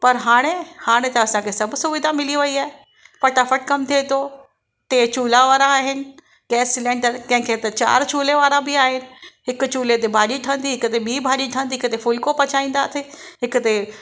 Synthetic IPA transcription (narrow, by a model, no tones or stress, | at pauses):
pɐɾɦaːɽ̃ehaːɽ̃et̪ɐɐsãkʰesɐbsʊʋɪd̪ʱamɪliʋɐiaːɦe | pɐʈaːfəʈkɐmt̪ʰeːt̪o | t̪eːt͡ʃuːlaʋaːɾãaːɦɪnɪ̆ | ɡɛːsːɪlɛ̃ːɳɖəɾkɐ̃ɦɪ̃kʰet̪ɐt͡ɕa̰ːɾt͡ɕuːleʋaːɾãbɪaːɦɪnɪ̆ɦɪkʊt͡ɕuːlet̪̬ebʱaːɗiʈʰə̃nd̪iɦɪkt̪emiːbʱaːɗiʈʰə̃nd̪iɦɪkt̪efʊlkopɐt͡ʃʰaːĩːnd̪at̪ʰeɦɪkt̪e